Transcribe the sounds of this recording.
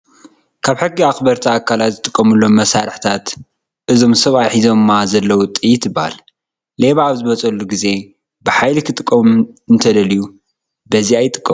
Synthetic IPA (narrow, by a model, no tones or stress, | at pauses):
kʰaβħɨɡːiaxbɐɾt̪ʰiakʰːalat̪zɨt̪ʼɨkʼːɐmulːo̞mːɐsaɾɨħt̪ʰat̪ | ʔɨzo̞msɐβajħizo̞mmːazɐlːɐwut̪ʼijɪt̪ʰɨbaa̰lː | eβaːβzɨβɐt͡sʼɐlːuɡize̞ | bɨħajlikʰɨt̪ʼɨkʼːɐmɨnt̪ʰɐd̪ɐliju | bɐziajɪt̪ʼɨ̥kʼːɐm